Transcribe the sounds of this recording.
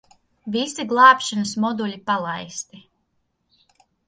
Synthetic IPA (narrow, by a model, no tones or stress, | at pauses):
visiɡlˠɑːpʃanəsmɔd̪ulʲipalˠajst̪i